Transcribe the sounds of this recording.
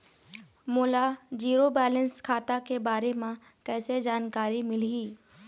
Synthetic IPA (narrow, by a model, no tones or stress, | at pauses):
mʊːlad͡ʒiːɾobɛːlənskʰaːt̪akebaːɾemẽ | kɛːsed͡ʒaːnkaːɾimɪliː